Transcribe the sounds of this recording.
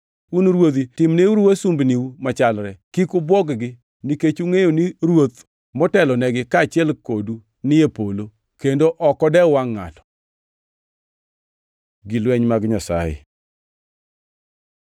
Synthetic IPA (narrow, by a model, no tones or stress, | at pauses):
unɾwot̪itɪmneuɾuwasumbniwumat͡ʃalɾɛkikʊbwɔɡɡɪ | niket͡ʃuŋejoniɾwot̪ | mɔtɛlɔnɛɡɪkaːt͡ʃɪɛlkodu | nɪjepolo | kendoʔɔkɔdɛwaŋːa̰tɔ̥ | ɡilwɛɲmaɡɲasa̰jɪ̰